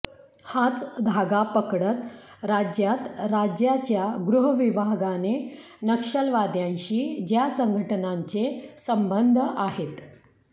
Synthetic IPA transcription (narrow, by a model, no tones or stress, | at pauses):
hat͡sd̪ʱaɡapəkɽət̪ | ɾad͡ʑjat̪ɾad͡ʑjat͡ɕjaɡɾuɦəʋibʱaɡane | nəkʂəlʋad̪jãɲɕiːd͡ʑjasəŋɡʱəʈənaɲt͡sesəmbənd̪ʱəʔaɦet̪